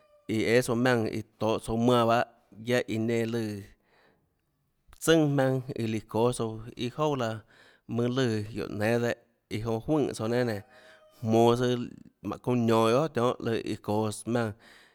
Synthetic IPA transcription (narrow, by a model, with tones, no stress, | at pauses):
i˧e˦so˧mʲã˧ŋḭ˧˨t̪oː˨ʔt͡so˧mã˧˨ba˦ʔ | ja˦ʔi˧nẽ˧lɨ˧ | t͡sɨ̃˦ŋhmã˧ŋḭ˧li˧koː˨˦so˧ḭ˧ho˦˨wla˧ | mɨ̃˧lɨ˧˨jo̰˨ʔnẽ˨˦d̪e˦˧ʔ | i˧ɦõ˧hwɨ̃ː˦˧˨t͡so˧nẽ˦˨nẽ˨ | hmõː˧˨sɨ˧mã̰˨kõ˧ɲɔ̃˨jo˦ʔt̪ʲjɔ̃ː˦ʔlɨ˧˨ʔḭ˧ko˨smʲã˧ŋ